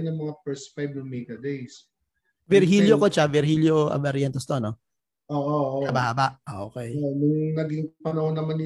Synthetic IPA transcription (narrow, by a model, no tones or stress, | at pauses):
nɐŋmɐŋapɛɹsfajb̚nɐŋmɛɡɐd̪ejs | vɛɾɦiljokot͡ʃavɛɾhiljoʔɐ̰vɐɾjɛnt̪ɛst̪ono | ʔoːʔoabahabaʔʔo̰kɛjʔnʊŋnɐɡiŋpɐnɐhonːɐmanɪ